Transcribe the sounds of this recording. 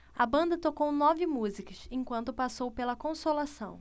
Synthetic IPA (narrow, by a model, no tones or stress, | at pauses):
ɐbɐ̃nd̪ɐt̪okownɔvɪmuzikɐsẽkwɐ̃nt̪ʊpasowpelɐkõsolasɐ̰̃w̃